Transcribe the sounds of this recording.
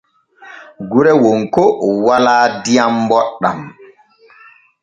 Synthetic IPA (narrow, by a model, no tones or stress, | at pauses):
ɡuɾɛwoŋkɔwalaːdijambɔɗːa̰m